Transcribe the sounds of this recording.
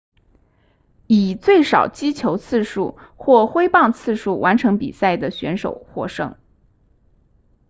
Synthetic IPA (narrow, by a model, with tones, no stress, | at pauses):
i˨˩t͡swe˥˩ɪʂɑ˨˩ʊt͡ɕi˥t͡ɕʰjo˧˥ʊt͡sʰɹ̩˥˧ʂu˥˧xwɔ˥˩xwe˥ɪpɑ˥˧ŋt͡sʰɹ̩˥˧ʂu˥˩wʔa˧˥nʈ͡ʂʰɤ˧˥ŋpḭ˨˩sa˥˩ɪd̪ə˩ɕɥɛ̰˧˥nʂo˨˩ʊxwɔ̰˥ʂɤ̰˥ŋ